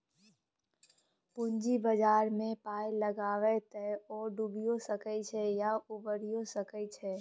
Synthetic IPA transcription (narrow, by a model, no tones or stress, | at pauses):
pʊɲd͡ʒibəd͡ʒaːɾmẽpaːjləɡaːwɛt̪ɛɔːɖubijosəkət͡ʃʰɛjaubəɾijosəkəit͡ʃʰɛː